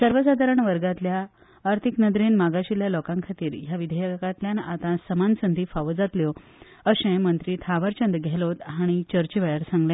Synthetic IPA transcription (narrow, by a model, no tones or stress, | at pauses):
səɾʋəsad̪ʱaɾəɳʋəɾɡat̪ljaː | ɾt̪ʰiknəd̪ɾenmaɡaɕiljalɔkaŋkʰat̪iːɾjaʋid̪ʱəjəkat̪ljanat̪ãsəmansənd̪ʱiːfaʋəd͡zat̪ljɔ | əɕẽmənt̪ɾiːt̪ʰaʋəɾt͡ɕənd̪ɡʱɛlot̪ɦaɽ̃it͡ɕəɾt͡ɕəʋɛɭaɾsãŋɡljẽ